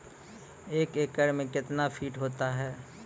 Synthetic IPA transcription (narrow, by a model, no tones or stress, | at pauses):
eːkeːkːəɽmẽkɪt̪nafʰiːʈɦoːt̪aɦɛː